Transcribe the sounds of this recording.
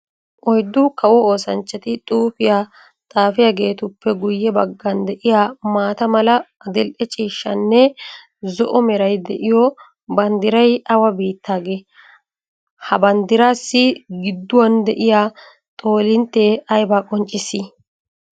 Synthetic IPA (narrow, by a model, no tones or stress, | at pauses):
ʔɔjd̪ːʊkɐwɔoːsɐnt͡ʃːɛt̪ɪt̪ʼuːpɪja | t̪ʼaːfɪjaɡe̞ːt̪ʊpːɛɡʊjːɛbɐɡːɐnd̪ɛʔɪjaːmaːt̪ɐmɐlɐːd̪ɛlʔɛt͡ʃʼiːʃːɐnːɛ | zɔʔɔmɛɾɐjd̪ɛʔɪjɔ | bɐnd̪ɪɾɐjɐwɐbiːt̪ʰːaːɡeː | hɐbɐnd̪ɪɾaːsːɪɡɪd̪ːʊwɐnd̪ɛʔɪjaː | t̪ʼo̞ːlɪnt̪ːeːɐjbaːkʼɔnt͡ʃʼːɪsːɪ